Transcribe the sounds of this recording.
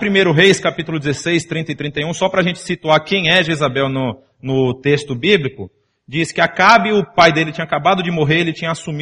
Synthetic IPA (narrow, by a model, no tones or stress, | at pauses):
pɾimejɾʊɦejskapit̪ʊlʊd͡ʒɪzesejst̪ɾĩnɐɪt̪ɾĩnt̪ɐjũsɔpɾɐːʒẽnt͡ʃɪ̥sit̪uaɾkẽj̃ɛʒezabɛwnʊ | nʊt̪est̪ʊbiblikʊ | d͡ʒiskɪakabɪʊpajd̪elɪt͡ʃĩɲɐakabad̪ʊd͡ʒɪmoɦeɾelɪt͡ʃĩɲɐasumi